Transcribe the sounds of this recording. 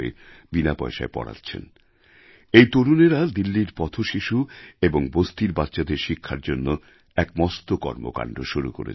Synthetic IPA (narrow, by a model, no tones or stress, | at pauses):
ḛ | binapɔ̰jʃa̰epɔ̰ɽa̰tːɕʰḛn | ejt̪oɾuneɾad̪ilːiɾpɔt̪ʰoʃiʃueboŋbost̪iɾbatːɕad̪eɾʃikʰːaɾd͡ʑonːo | ɛkmɔst̪okɔ̰ɾmo̰ka̰ɳɖʱoʃuɾṵko̰ɾḛ